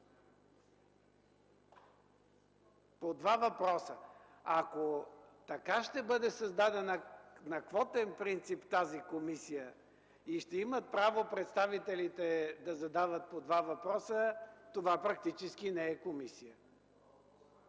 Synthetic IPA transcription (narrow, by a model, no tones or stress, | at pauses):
pod̪vavɐpɾɔsə | akot̪ɐkaʃt̪ɛbɤd̪ɛsɐzd̪ad̪ɛnnɐkvɔt̪ɛnpɾint̪sipt̪azikomisijə | iʃt̪ɛimət̪̚pɾavopɾɛt̪st̪avit̪ɛlit̪ɛd̪ɐzɐd̪avət̪̚pod̪vavɐpɾɔsət̪ovapɾɐk̚t̪it͡ʃɛskinɛɛkomisijə